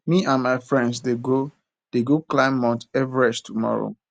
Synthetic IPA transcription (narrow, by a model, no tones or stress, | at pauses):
miʔãnmaɪfɹɛ̃ndsdeɡo | d̥eɡoklãɪ̃mːɔ̃ntɛvɹɛd͡ʒtʰumɔ̰ɹo̰